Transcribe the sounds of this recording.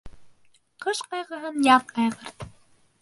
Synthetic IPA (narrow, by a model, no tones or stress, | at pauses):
qɤ̆ʃqɑjʁɤ̆ɦɤ̆njɑt̪̚qɑjʁɤ̆ɾt̪